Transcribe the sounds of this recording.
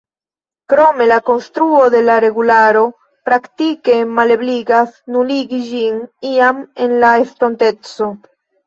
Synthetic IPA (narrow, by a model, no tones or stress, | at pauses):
kɾo̞me̞lako̞nst̪ɾuo̞d̪e̞laɾe̞ɡulaɾo̞ | pɾaktike̞male̞bliɡasnuliɡid͡ʒiniame̞nlaesto̞nte̞t͡so̞